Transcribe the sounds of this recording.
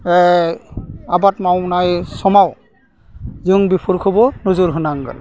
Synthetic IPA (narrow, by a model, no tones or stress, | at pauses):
ɛ | abatmawnajsɔmaw | ziuŋbipʰuɹkʰɔbɔnuzuɾɦunaŋɡɔ̰l